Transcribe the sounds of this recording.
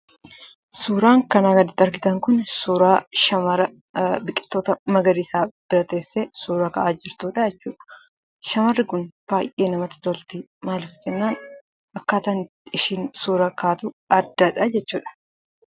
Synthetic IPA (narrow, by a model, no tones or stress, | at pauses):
suːɾaːŋkɐnaːɡɐd̪ɪt̪ːɐɾɡɪt̪ɐŋkʊnsuːɾaːʃɐmɐɾɐ | bɪkʼːɪ̥t̪ːoːt̪ɐmɐɡɐɾiːsaːb̥ɪɾɐt̪e̞ːsːesuːɾɐkɐʔaːd͡ʒɪɾt̪uːᶑɐd͡ʒɛt͡ʃːuːᶑɐ̥ | ʃɐmɐrːɪkʊnb̥aːjʔeːnɐmɐt̪ɐ̥t̪ɔlt̪i | maːlɪfd͡ʒɛnːaːn | ʔɐkːaːt̪aːn | ɪʃiːnsuːɾɐkaːt̪uɐd̪ːɐᶑɐd͡ʒɛt͡ʃːuːᶑɐ̥